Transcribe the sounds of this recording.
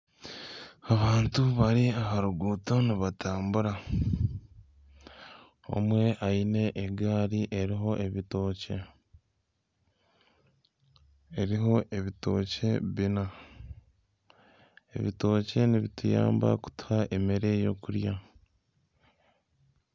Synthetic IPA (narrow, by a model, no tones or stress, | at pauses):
aβaːntuβaɾiaɦaɾuɡuːto̞niβatʰaːmbuɾa | o̰mwe̞ʔaine̞ʔːɡaːɾiʔe̞ɾiɦo̞ʔe̞βito̞ːce̞ | eɾiɦo̞ʔe̞βito̞̰ːce̞βina | e̞̰βito̞ːce̞niβituja̰ːmba̰ku̥tu̥haʔe̞meɾe̞jo̞̰kuɾja